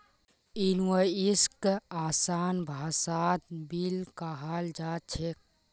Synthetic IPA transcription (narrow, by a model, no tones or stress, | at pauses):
inwəiskaːsaːnbʱaːsaːt̪̚bilkaɦaːld͡ʒaːt͡ʃʰek̚